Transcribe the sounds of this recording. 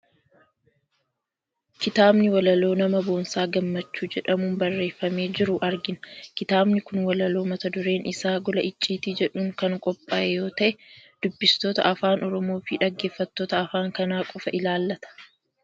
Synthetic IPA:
kɪt̪aːbnɪwɐlɐlo̞ːnɐmɐbo̞ːnsaːɡɐmːɐt͡ʃːuːd͡ʒɛᶑɐmuːnbɐrːe̞ːfːɐme̞ːd͡ʒɪɾʊʔɐɾɡɪnɐkɪt̪aːbnɪkʊnwɐlɐlo̞ːmɐt̪ɐd̪ʊɾe̞ːnʔɪsaːɡɔlɐɪt͡ʃʼːiːt̪id͡ʒɛᶑuːŋkɐŋkʼɔpʼːaːʔɛjo̞ːt̪ɐʔɛd̪̥ʊbːɪst̪o̞ːt̪ɐ̰ʔɐfaːnɔɾɔmo̞ːfɪᶑɐɡːe̞ːfːɐt̪ːoːt̪ɐːfaːŋkɐnaːkʼɔfɐʔɪlaːlːɐt̪ɐ̥

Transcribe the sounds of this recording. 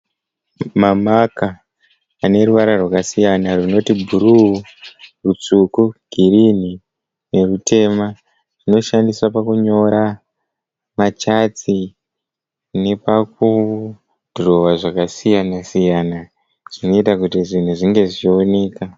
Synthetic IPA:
mamakaː | ne̞ruʋaɾarwakasijanarino̞tibʱuɾuurut͡sukuɡ̥ʱirini | ne̞rutʰe̞ma | rino̞ʃandiswapakuɲo̞ɾa | mat͡ʃat͡si | ne̞paku | dʱoro̞ʋaʐakasijanasijana | ʐ̥ino̞itakutiʐin̤uʐiŋɡe̞ʐio̞ne̞ːka

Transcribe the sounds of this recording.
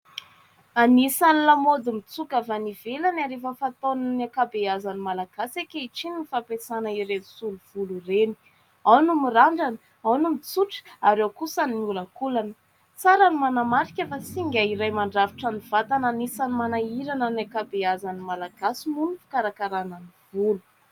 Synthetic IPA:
anisanilamod̪imit͡sukavanivelanaɾefəfat̪onanakabeazanimalaɡ̥asekʲeiʈ͡ʂininifapesanəiɾensuluv̥ulureni̥ | awnumiraɳɖ͡ʐanə | awnumit͡suʈ͡ʂaɾewkusaniulakulanə | t͡saɾanimanamaɾikʲefasiŋɡʲaiɾajmaɳɖ͡ʐavi̥ʈ͡ʂaniv̥at̪ananisanimanaiɾananakabeazanimalaɡasimunufḁkaɾakaɾananivulu̥

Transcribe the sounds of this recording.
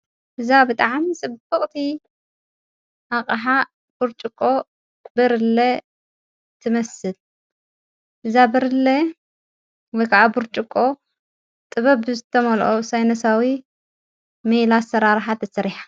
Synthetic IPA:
ʔɨzabɨt̪ʼaʕmisʼɨbɨχʼt̪ʰi | ʔaqʼɐħa | b̥uɾt͡ʃʼɪkʼːo̞ | bɨɾɨlːɐ | t̪ʰɨmɐsɨl | ʔɨzabɨɾɨlɐ | wɔjkʰaʔabuɾt͡ʃʼɪkʼːo̞ | t̪ʼɨβɐbɨzɨt̪ʰɐmɐlʔosajnɐsawi | melasɐɾaɾħat̪ʰɐsɐɾiħḁ

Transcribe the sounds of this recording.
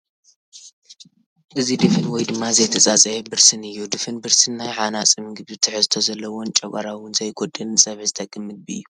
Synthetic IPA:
ʔɨzid̪ɨfɨnwɔjd̪ɨmːazɐjt̪ʰɐt͡sʼat͡sʼɐjɛbɨɾsɨnɨjːud̪ɨfɨnbɨɾsɨnːajʕanat͡sʼɨmɨɡɨβɨt̪ʰɨħɨzɨt̪ʰozɐlːɐwont͡ʃʼɐɡʷʼa̰ɾawʊnzɐjɡʰod̪ʼɨnɨsʼɐβzɨt̪ʰɐkʼːɨmːɨd̪̚biɨ̰jːu

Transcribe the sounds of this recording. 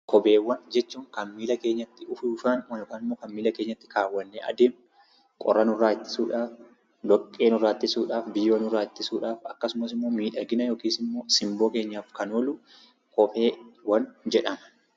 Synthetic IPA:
kʰɔbe̞ːwːɐnd͡ʒɛt͡ʃːuːŋkɐmːiːlɐke̞ːɲːɐt̪ːɪʊfuːfaːnwɐɔkaːnɪmːoːkɐmːiːlɐke̞ːɲːɐt̪ːɪ̥kaːwːɐnːeːʔɐ̰d̪eːm | kʼɔ̰ɾːɐnʊraːɪt̪ːɪ̥suːᶑaːf | lɔkʼːe̞ːnʊraːt̪ːɪsuːᶑaːfbɪjːoːnʊraːɪt̪ːɪsuːᶑaːfɐkːɐsʊmɐsɪmːo̞ːmiːᶑɐɡɪnɐjo̞ːkiːsɪmːo̞ːsɪmbo̞ːkeːɲːaːfkɐnolu | kɔbe̞ːwɐnd͡ʒɛᶑɐmɐ̥

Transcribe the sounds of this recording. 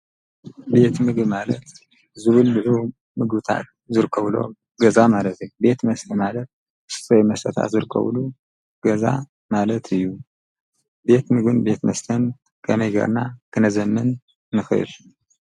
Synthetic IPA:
be̞t̪mɨɡbmalɐt̪ | zɨβɨlːɨʕu | mɨɡbɨt̪ʰa̰t̪̚ | zɨɾɨkʰːɐβlo̞̰ | ɡɐzamalət̪ʰɨjbe̞t̪mɐst̪ʰəmalɐt̪̚ | sɨ̥sʼɐmɐst̪ʰət̪ʰa̰t̪zɨɾɨkʰːə̰βlu | ɡ̥ɐza̰ | malɐt̪ʰɨjːu | be̞t̪mɨɡɨnbe̞t̪mɐst̪ʰɐn | kʰɐmɐjɡɐ̰ɾnakʰɨnɐzɐmːɨnː | ɨxɨɨ̰l

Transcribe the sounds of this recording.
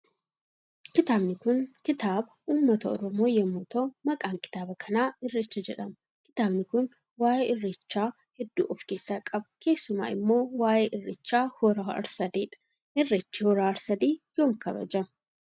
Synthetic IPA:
kɪt̪aːbnɪkʊŋkɪt̪aːbɐuːmːɐt̪ɐɔɾɔmo̞ːjɐmuːt̪omɐkʼaːŋkɪ̥t̪aːbɐkʰɐnaːɪrːɪt͡ʃːɐd͡ʒɛᶑɐm | kɪ̥t̪aːbnɪkʊn | waːjeːɪrːɪt͡ʃːaː | hɛd̪ːṵːʔɔfke̞ːsːaːkʼɐbɐke̞ːsːʊma̰ːɪ̰mːo̞ːwaːjeːʔɪrːɪt͡ʃːaːhɔɾaːɐ̰ɾsɐd̪iːᶑɐ̥ | ʔɪrːɪt͡ʃːɪhɔɾaːɐɾsɐd̪iːjoːŋkɐbɐ̰d͡ʒɐmɐ

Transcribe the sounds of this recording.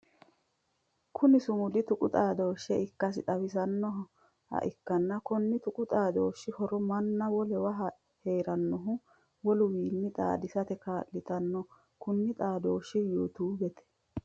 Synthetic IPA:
kʰʊnɪsʊmʊd̪ɪt̪ʊkʼʊt̪ʼaːd̪oːʃːɛɪkːɐs̬ɪt̪ʼɐwɪsɐnːɔ | hɐ̰ʔɪkːɐnːɐkɔnːɪt̪ʊkʼʊt̪ʼaːd̪oːʃːɪhɔɾɔmɐnːɐwɔlɛwɐɦɐ | heːɾɐnːɔɦʊ | wɔlʊwiːnːɪt̪ʼa̰ːd̪ɪsɐt̪ɛkaːʔlɪt̪ɐnːɔ | kʊnːɪt̪ʼaːd̪oːʃːɪjoːt̪uːbɛt̪ɛ̥

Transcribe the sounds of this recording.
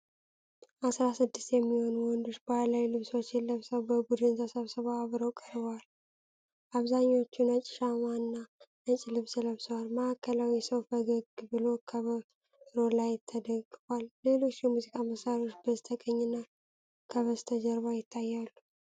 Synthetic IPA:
ʔasɾasɨd̪ːɨst̪jɛmːiho̞nwɔnd̪uʃbəhalawilɨβso̞t͡ʃːɛlːəβsəwbəbud̪ɨnt̪ʰəsəβsəβaaβɾəwkʼəɾbəwal | ʔaβzaɲːo̞t͡ʃːunət͡ʃʼɪ̥ʃamwanːanət͡ʃʼilɨβsləβswalməakʰːəlawiɛsəwfəɡəɡbɨlo̞kʰəβə | ɾo̞lajt̪ʰːəd̪əɡʼɨfwalːe̞lo̞t͡ʃːɛmuzikʼaməsaɾiot͡ʃːbəzt̪ʰəkʼəɲːɪnːa | kʰəβəst̪ʰəd͡ʒəɾβajɪt̪ʰːajːalːu

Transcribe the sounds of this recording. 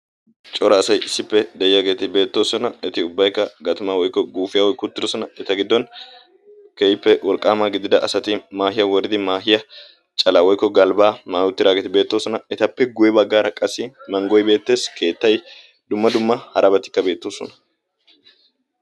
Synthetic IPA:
t͡ʃʼɔɾɐːsɐjɪsːɪpːɛd̪ɛjɪjaːɡe̞ːt̪ɪbe̞ːt̪ːo̞ːsɔnɐɛt̪ɪʊbːɐjkːɐɡɐt̪ʊmawɔjkːɔɡuːfɪjɐwɔjkːʊt̪ːɪd̪ɔsɔnɐɛt̪ɐɡɪd̪ːɔn | keɪpːɛwɔlkʼːaːmaːɡɪd̪ɪd̪ɐʔɐsɐt̪ɪmaːɦɪjɐwɔɾɪd̪ɪmaːɦɪjɐ | t͡ʃʼɐlawɔjkːɔɡɐlbaːmaːʊt̪ːɪɾaːɡeːt̪ɪbe̞ːt̪ːo̞ːsɔnɐɛt̪ɐpːɛɡʊjɛbɐɡːaːɾɐkʼɐsɪmɐŋɡɔjbe̞ːt̪ːe̞ːskʰe̞ːt̪ːɐj | d̪̥ʊmːɐd̪ʊmːɐhɐɾɐbɐt̪ːɪ̥kːɐbe̞ːt̪ːo̞ːsɔ̰nɐ̥

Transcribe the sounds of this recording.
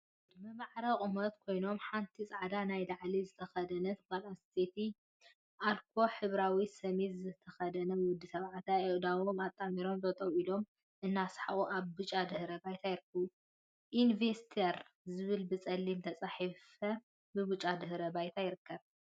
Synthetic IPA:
d̪mɐmaʕɾɐkʼɨmɐt̪kʰo̞jno̞mħant̪ʰit͡sʼaʕad̪anajlaʕlizɨt̪ʰɐxɐd̪ɐnɐt̪ʰɨkalast̪ʰet̪ʰi | ʔalkʰo̞ħɨβɾawisɐmezɨt̪ʰɐxɐd̪ɐnɐwʊd̪ːisɐβʕat̪ʰaeʔd̪awomat̪ʼːamiɾo̞mzʼɐt̪ʼɐwilo̞m | ʔɨnːasħa̰ʔʼuʔaβbɨt͡ʃʼad̪ɨhɾɐbajt̪ʰajɪɾɨkʰːɐβu | ʔinvest̪ʰeɾzɨβɨlbɨt͡sʼɐlːimt̪ʰɐt͡sʼaħifɐ | bɨbut͡ʃʼːad̪ɨhɾɐbajt̪ʰajɪɾɨkʰːɐβ

